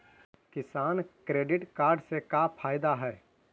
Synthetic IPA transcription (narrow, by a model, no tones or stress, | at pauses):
kɪsaːnkɾeːɖɪʈkaːɾɖsekapʰaːjd̪aɦɛː